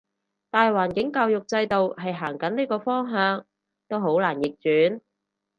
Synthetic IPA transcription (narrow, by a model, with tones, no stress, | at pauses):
t̪aː˨jwaː˨˩nkɪ˨˥ŋkaː˧wjʊ˨k̚t͡sɐ˧jt̪o˨wɦɐ˨jɦaː˨˩ŋkɐ˨˥nliː˥kɔː˧fɔː˥ŋɦœː˨˧ŋ | t̪o˥wɦo˨˥wlaː˨˩njɪ˨k̚t͡ʃyː˨˥n